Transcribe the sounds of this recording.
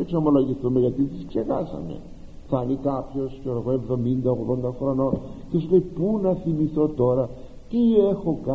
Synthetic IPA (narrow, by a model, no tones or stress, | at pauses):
ekso̞mo̞lo̞ʝiθumeʝɐt̪it̪iskse̞xɐsɐ̰mḛ | θɐnikɐpço̞skeɾoɣoe̞vðo̞mind̪ɐoɣðo̞nd̪ɐxɾono̞ | ce̞sule̞jipunɐθimiθo̞t̪o̞ɾɐ | t̪ie̞xo̞k